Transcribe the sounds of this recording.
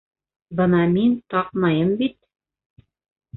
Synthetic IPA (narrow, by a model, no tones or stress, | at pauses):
bɤ̆nɑmint̪ɑqmɑjɤmbit̪̚